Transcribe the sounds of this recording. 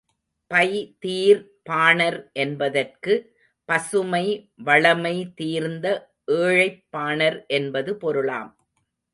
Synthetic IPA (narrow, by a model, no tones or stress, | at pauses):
pɐɪt̪iːɾ | paːnɐɾʔɛnbɐðɐrkɯ | pɐsɯmɐɪʋɐɭɐmɐɪt̪iːɾnd̪ɐ | ʔeːɻɐɪpːaːɳɐɾʔɛnbɐðɯpɔɾɯɭa̰ːm